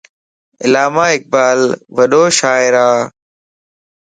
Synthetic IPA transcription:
ɪ̰laːmaːɪk̚baːlʋəɗoːʃaːɪɾaː

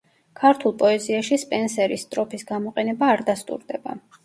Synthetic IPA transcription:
kʰaɾt̪ʰulˠpʼɔɛziaʃispʼɛnsɛɾist̪ʼɾɔpʰisɡamɔqʼɛnɛbaːɾd̪ast̪ʼṵɾd̪ɛba̰

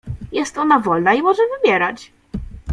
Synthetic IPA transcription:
jɛst̪ɔnavɔlnaimɔʐɛvɘbʲjɛɾat͡ɕ

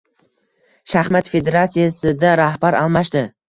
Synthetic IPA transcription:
ʃahmat̪fe̞d̪e̞ɾat̪sijasɪd̪aɾahbaɾɒlˠmaʃd̪ɪ

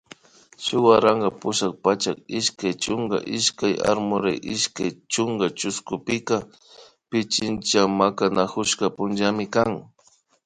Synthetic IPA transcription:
ʃʊwaɾaŋɡapʊʃak̚pat͡ʃakɪʃkajt͡ʃʊŋɡa̰ʔɪʃkaja̰ɾmʊɾajʔɪʃkajt͡ʃʊŋɡat͡ʃʊskʊpɪka | pɪt͡ʃɪnt͡ʃamakanakʊʃkapʊnd͡ʒamɪkaŋ

